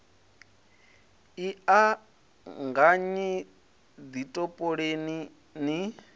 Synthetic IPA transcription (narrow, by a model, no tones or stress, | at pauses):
ia | ŋɡaɲi | d̪itʼɔpʼɔɺeni | ni